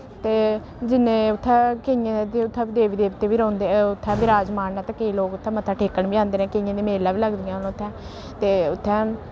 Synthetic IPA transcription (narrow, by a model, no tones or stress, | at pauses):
t̪eː | d͡ʒɪnẽːʊt̪ʰːɛ̃ːkejãd̪eːʊt̪ʰːɛ̃ːd̪eːʋiːd̪eːʋt̪eːʋiːɾɔ̃ːnd̪eːɛʊt̪ʰːɛ̃ːbiɾaːd͡ʒmaːnɛ̃ːt̪ãːkeiːloːkʊt̪ʰːɛ̃ːmət̪ʰːãːʈʰeːkːəɳbiãːnd̪eːnɛ̃ːkeɪ̃jãːd̪iːmeːlaːʋiːləɡd̪ijãlõːʊt̪ʰːɛ̃ː | t̪eːʊt̪ʰːɛ̃ː